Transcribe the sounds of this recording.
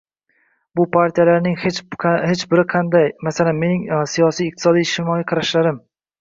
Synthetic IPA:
bʊpʰaɾt̪ʰijalaɾnɪŋet͡ʃhet͡ʃbɪɾɪqʰɑnd̪ajmasalanme̞nɪŋsijɒsijɪq̚t̪ʰɪ̥sɒd̪ijɪʃt̪ɪmɒjiqʰɑɾaʃlaɾɪm

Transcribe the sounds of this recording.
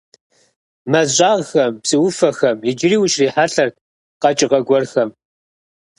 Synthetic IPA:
mɐzʑʷʼaːʁxɐmpsʼɨwʊfɐxɐmɪd͡ʒɪɾiːwʊʃriːħaɬɐr | qɐt͡ʃʼɪʁɐɡʷɔrxɐm

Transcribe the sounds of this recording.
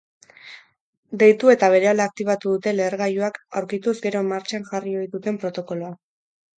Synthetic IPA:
d̪e̞jt̪ue̞t̪aβ̞e̞ɾe̞alaːk̚t̪iβat̪uðut̪e̞le̞ːɾɣajuakawɾkit̪uzɡe̞ɾo̞maɾt͡ʃaŋʝario̞jðut̪e̞mpɾo̞t̪o̞ko̞loa

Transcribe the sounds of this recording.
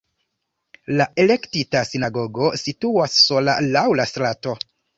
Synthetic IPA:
laʔe̞le̞ktitasinaɡo̞ɡo̞situasːo̞la̰lawlastɾato

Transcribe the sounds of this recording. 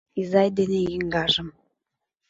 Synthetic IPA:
izɑjd̪enejjiŋɡɑʒə̆m

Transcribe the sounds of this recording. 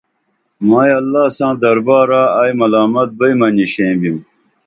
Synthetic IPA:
maːjɐlːaːsãːd̪ɐɾbaːɾaaːjmɐlaːmɐt̪̚bɐjmɐniɕẽːbim

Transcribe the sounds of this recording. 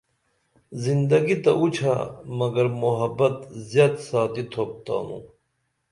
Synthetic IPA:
zind̪ɐɡit̪ɐʔut͡ɕʰa̰mɐɡɐɾmoɦɐbɐt̪zjaːd̪saːt̪it̪ʰoːp̚t̪a̰ːnṵ̃

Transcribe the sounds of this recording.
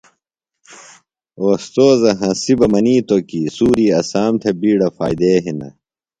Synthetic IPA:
oːst̪oːzɐɦɐ̃sibɐmɐniːt̪okisuːɾiːɐsaːmt̪ʰebiːɽɐfa̰ːjd̪eːɦinɐ̰

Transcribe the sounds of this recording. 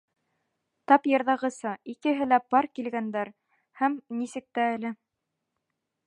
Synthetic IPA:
t̪ɑpjɤ̆ɾðɑʁɤ̆sɤikɘ̆ɦɘlæpɑɾkilɡænd̪æɾ | hæmnisɘ̆k̚t̪æːlɘ

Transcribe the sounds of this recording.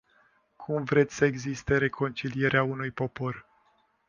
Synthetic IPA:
kʰumvɾet̪sʲsəe̞ɡzist̪e̞ɾe̞kʰo̞nt͡ʃilije̞ɾeaunujpo̞po̞r

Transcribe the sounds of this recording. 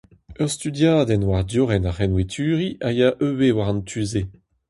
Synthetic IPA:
œʁst̪yd̪jaːd̪ɛnwaʁd̪joʁɛnaʁɛnwet̪ʰyːʁiʔajaʔøwewaʁɑ̃nt̪ʰyze

